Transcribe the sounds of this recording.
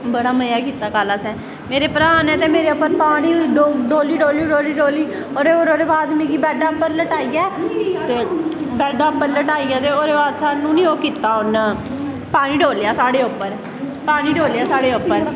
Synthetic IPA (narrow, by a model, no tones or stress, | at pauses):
bəɽaːməjaːkiːt̪aːkaːlaːsɛ̃ː | meːɾeːpəɾaːnɛ̃ːt̪eːmeːɾeːʊpːəɾpaːɽ̃iːɖoɖoːliːɖoːliːɖoːliːɖoːliː | oːɾeːoɾoːɾeːbaːd̪mẽːɡiːbɛːɖaːpːəɾləʈaːiːaːt̪eːbɛːɖaːpːəɾləʈaːiːɡaːt̪eːoːɾeːbaːd̪saːnũːnĩːoːkiːt̪ːaːʊn | paːɽ̃iːɖoːljaːsaːɽeːʊpːəɾ | paːɽ̃iːɖoːljaːsaːɽeːʊpːəɾ